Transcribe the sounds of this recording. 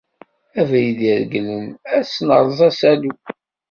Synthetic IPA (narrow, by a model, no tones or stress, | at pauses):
ævæjiðiɾɡlənæsnə̰ɾˤzˤɑsælu